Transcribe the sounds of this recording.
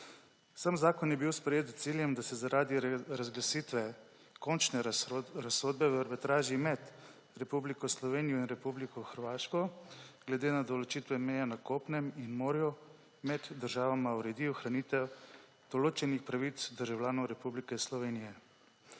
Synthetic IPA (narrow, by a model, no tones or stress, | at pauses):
samzaːkɔnjɛbiwspɾɛjeːt̪zt̪siljɛmd̪asɛzaɾʔaːd̪iɾazɡlasiːt̪ʋɛ | kɔnt͡ʃnɛɾasoːd̪̚bɛvɾbit̪ɾaːʒimɛd̪ | ɾɛpublikɔslɔʋeːnijɔinɾɛpublikɔxəɾʋaːʃkɔɡ̥lɛd̪eːnad̪ɔlɔt͡ʃit̪ʋɛmɛjanakoːpnɛminmoːɾju | mɛd̪ːəɾʒaːʋamauɾɛd̪iːuxɾanit̪ɛw | d̪̥ɔloːt͡ʃɛnixpɾaʋit̪sd̪əɾʒawlʲjaːnɔwɾɛpublikɛslɔʋeːnijɛ